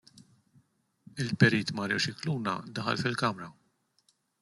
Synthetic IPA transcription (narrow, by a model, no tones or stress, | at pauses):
ɪlpɛɾiːt̪mɐɾɛt͡ʃɪkluːnɐ̰d̪ɐħɐ̰lfɪlkɐmɾɐ